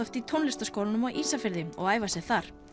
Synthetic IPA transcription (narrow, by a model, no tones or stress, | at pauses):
œft̪it̪ʰonlɪst̪askowlnʏmɔɣʔiːsafɪɾðɪɔ̰ɣaːjvasjɛɣθaɾ̥